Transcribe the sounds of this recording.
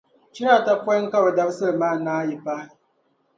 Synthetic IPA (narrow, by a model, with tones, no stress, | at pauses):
t͡ʃi˦ɾa˦˨ta˦pʷɔ˦ŋ̩˦ka˦ba˨da˦bsɨ˦ɾmaː˦˨naː˦ji˨pa˦